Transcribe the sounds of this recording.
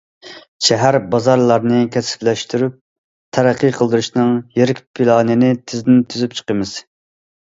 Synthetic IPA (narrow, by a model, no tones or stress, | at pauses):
ʃɛɦæɾbɑzɑɾlˠɑɾnɨkʲʰɛsɪ̥plɛʃt̪yɾyp̚ | t̪ʰæɾæqːəqʰəlˠd̪ɨɾuʃnɨŋjeɾɪkʲpʰilˠɑːnɨnɪt̪ʰɪzɪd̪ɪnt̪ʰyzyp̚t͡ʃʰə̥qəmɨz̥